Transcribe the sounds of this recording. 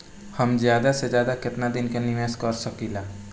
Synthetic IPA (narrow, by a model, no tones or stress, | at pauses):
həmzjaːd̪ased͡ʒjaːd̪akɪt̪nad̪ɪnkenɪmeːskəɾsəkilaː